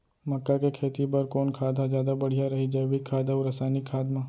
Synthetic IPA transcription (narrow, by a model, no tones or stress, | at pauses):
mɐkːakekʰeːt̪ibɐɾkoːnkʰaːd̪azjaːd̪abɐɽ̤ijaɾɐɦid͡ʒɐːbikʰːaːd̪aʊɾɐsaːnɪkʰːaːd̪mãː